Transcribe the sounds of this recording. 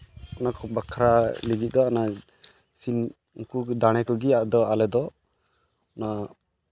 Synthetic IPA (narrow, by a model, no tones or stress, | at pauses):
ɔnakʰɔbakʰɾaliɡit̪̚d̪ɔɔna | sin | uŋkud̪aɽ̃ɛkɔɡiaʔd̪ɔalɛd̪ɔ | na